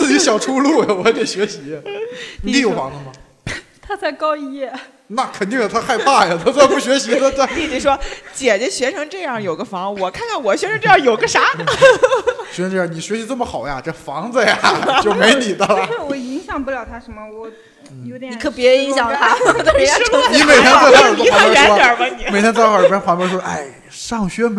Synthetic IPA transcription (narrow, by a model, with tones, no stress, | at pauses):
t͡sɹ̩˥˩t͡ɕi˧˥ɕjɑ˨˩ʊʈ͡ʂʰu˥lu˥˩a˨˩wɔ˧˥t̪i˨˩ɕɥɛ˧˥ɕi˧˥˧ni˧˥i˧˥jo˨˩˧fɑ˧˥ŋd͡zə˧mɐ˩ | t̪ʰa˥t͡sa˥˩ɪkɑ˥ʊi˥˧jɛ˥˩ | na˥˩kʰə˨˩nt̪i˥˩ŋ˨˩t̪ʰa˥xa˥˧ɪpʰa˥˩ja˨˩t̪ʰa˥˧t͡sa˥˧ɪpu˥˩ɕɥɛ˧˥ɕi˧˥t̪ʰa˥ta˥˩t̪i˥˩t͡ɕi˨˩ʂwɔ˥t͡ɕjɛ˨˩t͡ɕɥɛ˧˥ɕɥɛ˧˥ʈ͡ʂʰɤ˧˥ŋʈ͡ʂɤ˥˧jɑ˥˩ŋjo˨˩ʊɡə˦fɑ˧˥ŋ˧wɔ˨˩kʰa˥˩nkʰa˥˩nwɔ˨˩ɕ̬ɥɛ˧˥nʰɤ˧˥ŋʈ͡ʂɤ˥˧jɑ˥˩ŋjo˨˩ʊɡə˦ʂa˧˥ | ɕɥɛ˧˥ɤ˧˥ʈ͡ʂjni˨˩ɕɥɛ˧˥ɕi˧˥t͡sɤ˥˩mə˩xɑ˨˩ʊja̰˦ʈ͡ʂə˥˩fɑ˧˥ŋd͡zə˧ja˨˩t͡ɕjo˥˩me˧˥ɪni˨˩d̪ə˧lwɔ˧˩i˧˥ŋɕjɑ˨˩ŋpu˥˩ljɑ˨˩ʊt̪ʰa˥ʂə˧˥nmə˧wɔ˨˩ | jo˧˥ʊ˨ni˨˩kʰə˧˥pjɛ˧˥˧i˧˥ŋɕjɑ˨˩ŋ˩t̪ʰa˥˩˥i˥me˨˩ɪt̪ʰjɛ˥nt͡sa˥˧˥wa˥ɛ˧˥nɔ˥ə˨˧˨ma˧ni˧˩e˨˩t̪ʰjɛ̃˥t͡sɪxa˥˩˨pjɛ˥nxwa˧˥npɛ˧˥ʂwɔ˥ʔa˥˩ɪ | ʂɑ˥˩ŋɕɥɛ˥m